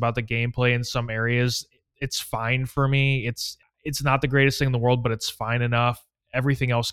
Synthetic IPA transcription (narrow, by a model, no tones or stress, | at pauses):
baʊt̪̚ðɨɡẽɪ̃mpʰl̥eɪɨ̃nsʌ̃mɛɹiɨz | ɨtsfãɪ̃nfə˞miɪts | ɨtsnət̪̚ðɨɡɹeɪɾɨstθɪ̃ŋ̃ə̃n̩ðəwɜ˞lˠd̚bʌɾɨtsfãɪ̃nɨnʌf | ɛvɹiθɪ̃ŋɛlˠs